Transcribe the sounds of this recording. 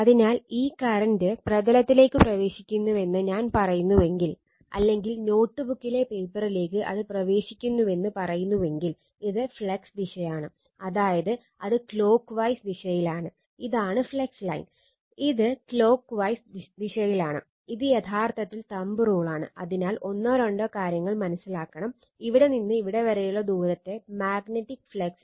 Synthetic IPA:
ɐðinaːliːkːaɾɐndɨprɐðɐlɐt̪ːile̞ːkːɨprɐʋe̞ːɕi̥kʲːunːuʋe̞nːɨɲaːnpɐrɐjunːuʋe̞ŋɡil | ɐ̰lːe̞ŋɡilno̞ːʈːɨbukːile̞pe̞ːpːɐrile̞ːk̬ːɨʔɐ̰ðɨprɐʋe̞ːɕikʲːunːuʋe̞nːɨpɐrɐjunːuʋe̞ŋɡil | iðɨfɭeksd̪iʂɐjaːɳɨ | ɐðaːjɐðɨ | ɐðɨklo̞ːkːʋɐjsd̪iʂɐjilaːɳɨ | iðaːɳɨfɭekslɐ̰jn | iðɨklo̞ːkːʋɐjsd̪iɕɐjilaːɳɨ̰ | iðɨjed̪ʱʰaːrt̪ʰɐt̪ːilt̪ɐmbɨroːɭaːɳɨ̰ɐ̰ðinaːlʔo̞nːaɾɐɳɖɐkaːɾjɐŋːɐɭmɐnɐsːilaːkːɐɳɐm | iʋiɽe̞ninːɨiʋiɽe̞ʋɐɾɐjuɭɐd̪uːɾɐt̪ːe̞maːɡneʈːikːfɭeks

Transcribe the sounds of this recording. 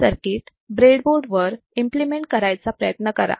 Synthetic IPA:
əɾkiːʈ̪ | bɾeɽboɽʋəɾ | implimeɳʈ̚kəɾajt͡sapɾəjət̪nəkəɾa̰

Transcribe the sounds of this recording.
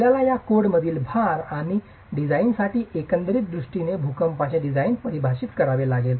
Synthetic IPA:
jalajakoɽməd̪ʱiːlbʱaɾaɽ̃i | ɖid͡zainsaʈiːʔekənd̪ɾiːt̪̚d̪ɾuʂʈinebʱukəmpat͡ɕeɖid͡zajnpəɾibʱaɕit̪kəɾaʋelaɡel

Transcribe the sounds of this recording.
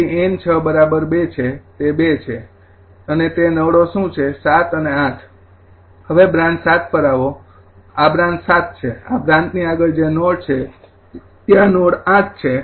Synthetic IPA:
ient͡ʃʰəbəɾabəɾbet͡ʃʰet̪ebet͡ʃʰe | ənet̪enəʋɽoʃũt͡ʃʰesat̪əneãt̪ʰ | ɦəʋebɾãnsat̪̚ʰpəɾaʋo | abɾãnt̪sat̪̚t͡ʃʰeabɾãnt̪niaɡəld͡ʒenoɽt͡ʃʰe | t̪janoɽãt̪̚t͡ʃʰe

